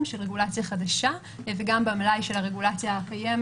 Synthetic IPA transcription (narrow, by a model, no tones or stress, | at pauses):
mʃelʁeɡulat͡sjaχadaʃa | veɡambamlajʃe̞laʁe̞ɡulat͡sjahakajem